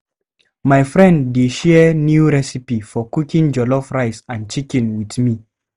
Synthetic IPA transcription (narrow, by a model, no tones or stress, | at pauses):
majfɹɛ̃ndːeʃɛnjuɹɛsipifɔkukĩŋd͡ʒɔlɔfɹaɪsãnt͡ʃikɛ̃nwiðmi